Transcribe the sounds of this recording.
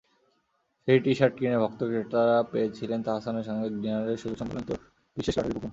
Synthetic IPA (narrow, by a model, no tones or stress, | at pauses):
ʃejʈiʃaɾʈ̚kinebʱɔk̚t̪okeʈaɾapeet͡ɕʰilent̪aɦasaneɾʃɔŋɡeɖinaɾeɾʃod͡ʑoʃɔmpalont̪o | b̥iʃeʃa̰ɾpokon